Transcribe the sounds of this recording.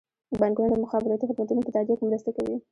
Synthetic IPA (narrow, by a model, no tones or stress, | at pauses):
banɡunaɖdəmʊxɑbɪɾɑt̪ixɪd̪mat̪unoket̪ɑd͡ʒakemɾəst̪akawi